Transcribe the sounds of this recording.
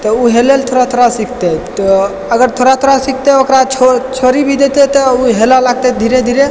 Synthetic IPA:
t̪ɔuɦelelt̪ʰoɾat̪ʰoɾasikʰt̪et̪ɔ | əɡəɾt̪ʰoɾat̪ʰoɾasikʰt̪eokɾaot͡ʃʰoɾibʱid̪et̪et̪ɔuɦelalaɡ̚t̪ɛd̪ʱiɾed̪ʱiɾe

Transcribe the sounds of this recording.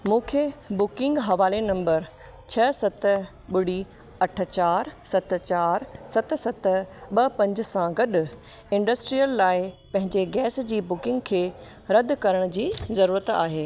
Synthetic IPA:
mũːkʰebʊkɪ̃ŋɡɦɐʋaːlenɐ̃mbəɾ | t͡ɕʰɐsɐt̪ | ɓʊɽ̤i | ɐʈʰə̆t͡ɕaːɾsɐt̪̆t͡ɕaːɾsɐt̪̆sɐt̪ɓɐpɐ̃ɲd͡ʑʊ̆sãɡɐɗʊ̆ | ɪ̃ɳɖɐsʈɾijəlːaːɪpɐ̃ɦɪ̃ɲd͡ʑeɡɛːsd͡ʑiːbʊkɪ̃ŋɡkʰeː | ɾɐd̪̆kɐɾəɽ̃d͡ʑiːzɐɾuːɾət̪a̰ːɦeː

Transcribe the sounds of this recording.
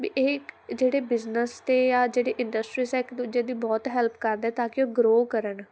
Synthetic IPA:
bḭːʔekd͡ʒeːɽeːbɪznəst̪eːjaːd͡ʒeːɽeːʔɪɳɖəsʈɾiːsɛːɪkd̪ud͡ʒẽːd̪iːbɔːt̪ɦɛlpʰkəɾd̪ɛːt̪ãːkɪoːɡɾoːkəɾəɳ

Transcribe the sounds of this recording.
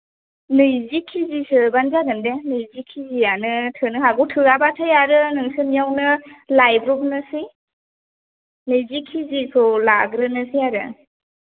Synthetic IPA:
nɯjzikʰizisɯbanzaɡɯndenɯjzikʰːizijanɯtʰɯnɯɦaɡutʰɯɾabatʰajaɾɯnɯŋsɯnijawnɯlajbɾɔbnɯsi | nɯjzikʰizikʰɯlaɡɾɯnɯsijaɾɯ̰

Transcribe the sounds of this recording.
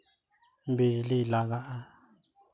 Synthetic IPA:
mbililaɣaʔa

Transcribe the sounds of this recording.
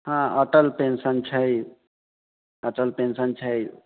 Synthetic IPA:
hãəʈəlpensənt͡ʃʰəj | əʈəlpensənt͡ʃʰəj

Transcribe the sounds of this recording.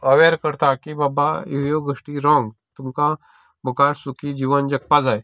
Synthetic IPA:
əʋeɾkəɾt̪akibabaḭɦjoɡəʂʈiɾɔ̃ŋɡt̪umka | mukaɾsukid͡ʑiːʋənd͡ʒɐk̚pad͡zaːj

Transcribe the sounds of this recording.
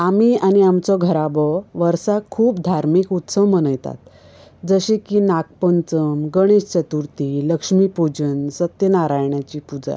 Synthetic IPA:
amiañiamt͡sɔɡʱəɾabɔʋəɾsakʰuːpd̪ʱaɾmikut̪səʋmənəjt̪a̰t̪̚ | d͡zəɕekiːnak̚pənt͡səmɡəɽ̃eɕt͡ɕət̪uɾt̪iləkʂmipud͡ʑənsət̪jənaɾajɳjat͡ɕiːpud͡za̰

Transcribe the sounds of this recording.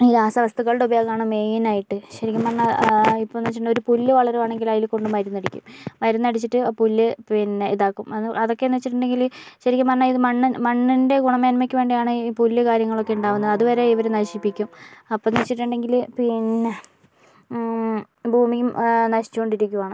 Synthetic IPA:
iːɾaːsɐʋɐst̪ɐɣɐɭɽeubɐjoːɣaːɳɨme̞ːjinaːjiʈːɨɕɐɾikʲːɐmɐrɐnɐipːoːnɐt͡ɕːiʈːuɳɖo̞ɾupulːɨʋɐɭɐɾemaːɳe̞ŋɡilaːjilko̞ɳɖɨmɐɾunːɐɽikʲːṵmmɐɾunːɐɽit͡ɕːiʈːɨpulːɨpinːeiðaːkːumɐðʔɐðo̞kːe̞nːɐʋt͡ɕːiʈːuɳɖe̞ŋɡilɕɐɾikʲːɐmɐnɐiðɨmɐɳːmɐɳːinde̞ɡuɳɐmeːnmɐkʲːɨʋe̞ːɳɖijaːɳɨpulːɨkaːɾjɐŋːɐɭokːeuɳɖaːʋunːɐðɨɐðuʋɐɾe̞iʋɐɾenɐɕipːikʲːumɐpːonɐʋt͡ɕːiʈːuɳɖe̞ŋɡilpinːe | bʱuːmikːumnɐɕi̥t͡ɕːuko̞ɳɖiɾikʲːuʋaːɳɨ

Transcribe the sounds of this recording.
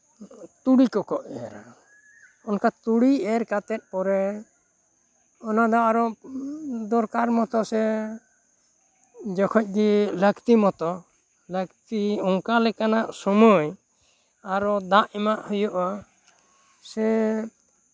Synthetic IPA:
t̪uɽikɔkɔʔɛɾa̰ɾ | ɔnkat̪uɽiɛɾkat̪ɛt̪̚ˀpɔɾɛ | ɔnad̪ɔaɾɔ | d̪ɔɾkaɾmɔt̪ɔsɛ | d͡ʒɔkʰɔc̚ˀɡiləkt̪imɔt̪ɔ | ləkt̪iɔŋkalɛkanaʔsɔmɔj | aɾɔd̪aʔɛmaʔhɔjɔʔa | sɛ

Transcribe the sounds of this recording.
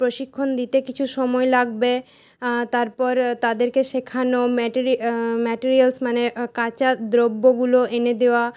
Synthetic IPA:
pɾoʃikʰːond̪it̪ekit͡ɕʰuʃɔmɔelaɡbe | t̪aɾpɔɾt̪ad̪eɾkeʃekʰanomɛʈiɾimɛʈiɾialsmanekat͡ɕad̪ɾobːoɡuloʔened̪eoa

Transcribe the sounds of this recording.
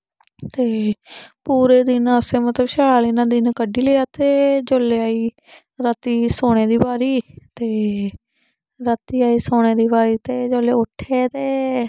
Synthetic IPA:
t̪eːpuːɾeːd̪ɪnəseːmət̪ləbʃalinãːd̪ɪnkəɖiːleːaːt̪eːd͡ʒoːlːeːaːiː | ɾət̪iːsoːɽ̃eːd̪iːbaːɾiːt̪eː | ɾət̪iːaːiːsoːɽ̃eːd̪iːbaːɾiːt̪eːd͡ʒoːleːʊʈʰːeːt̪eː

